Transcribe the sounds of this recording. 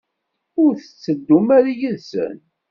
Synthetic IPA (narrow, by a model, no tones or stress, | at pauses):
ʊɾθə̥t͡sːəd̪ːumæɾjəðsə̰n